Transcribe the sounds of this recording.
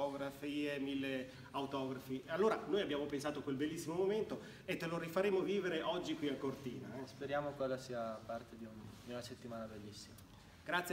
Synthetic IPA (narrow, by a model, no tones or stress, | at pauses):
ɔːɡɾafiemilːe | awt̪ɔːɡɾafialːoːɾanoːjabːjaːmopensaːt̪okwelbelːisːimomoment̪o | et̪ːeloɾifaɾeːmoviːveɾeʔɔd͡ʒːikwiakːort̪ḭːnaspeɾjaːmokwelːasiːapart̪ed̪iund̪iunaset̪ːimaːnabelːisːima | ɡ̥ɾat̪sj